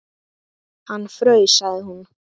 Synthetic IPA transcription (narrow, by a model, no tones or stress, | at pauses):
hanfɾœɥsajɦun